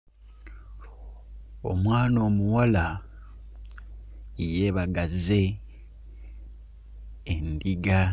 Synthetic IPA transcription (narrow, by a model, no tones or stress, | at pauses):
o̞̰mwaːno̞ːmuwala | ije̞βaɡaze̞ | ndiɡa